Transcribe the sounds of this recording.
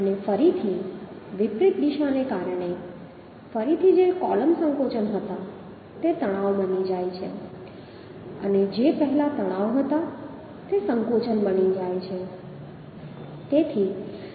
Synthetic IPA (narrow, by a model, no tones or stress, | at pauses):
ənefəɾit̪ʰiʋipɾɪt̪d̪iʃanekaɾəɳ̃e | fəɾit̪ʰid͡ʒekɔləmsə̃ŋkot͡ʃənɦət̪a | t̪et̪əɽ̃aʋbənid͡ʒajt͡ʃʰḛ | ə̰ned͡ʒepəɦɛlat̪əɽ̃aʋɦət̪a | t̪esəŋkot͡ʃənbənid͡ʒajt͡ʃʰe | t̪et̪ʰi